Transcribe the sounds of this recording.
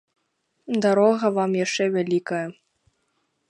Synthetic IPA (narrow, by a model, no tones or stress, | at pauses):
d̪aɾɔɣɐvamjaʂt͡ʂɛvʲalʲikɐjɐ